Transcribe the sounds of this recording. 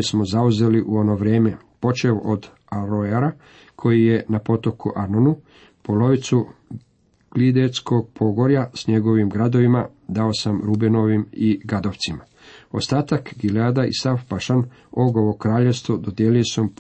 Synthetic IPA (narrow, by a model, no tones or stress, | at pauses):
smo̞zauze̞liʔuo̞no̞ʋɾe̞ːme̞ | po̞t͡ʃe̞ʔod̪ | aɾojaɾa | kʰo̞jije̞napo̞t̪o̞kuʔaɾnonu | po̞lo̞ʋit̪su | klid̪esko̞ɡ̥̚pʰo̞ɡo̞ɾjasɲe̞ɡo̞ʋimɡɾad̪o̞ʋima | d̪aosamɾubeno̞ʋimiɡad̪oʋt̪sima | ost̪aːt̪akɡilaːd̪aḭsafpaʃan | oɡoʋo̞kɾaːʎe̞ʋst̪ʋo̞d̪o̞d̪jeːliosom